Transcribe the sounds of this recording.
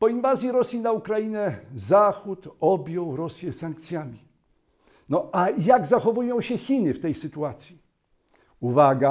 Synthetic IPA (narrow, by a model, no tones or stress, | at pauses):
pɔinvazʲjiɾɔsʲjinaukɾajinɛzaxut̪ɔbʲjɔ̃w̃ɾɔsʲjɛsaŋk̚t̪sʲjamʲi | nɔʔajaɡzaxɔvujɔ̃w̃ɕɛxʲinɘft̪ɛjsɘt̪uat̪sʲji | uvaɡa